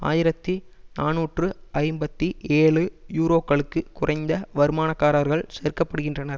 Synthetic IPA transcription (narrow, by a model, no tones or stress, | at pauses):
a̰ːjɪɾɐt̪ːinaːnuːʈrɯɐɪmbɐt̪ːieːɭɯjuːɾoːkːɐɭɯkːɯkʊrɐɪnd̪ɐʋɐɾɯmaːnɐkːaːɾaɾɣɐɭsɛːɾkːɐpːɐɽɯɣɪndrɐnɐɾ